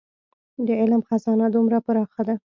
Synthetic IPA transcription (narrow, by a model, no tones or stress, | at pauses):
d̪əɪlmxazɑnad̪umɾapəɾɑxad̪a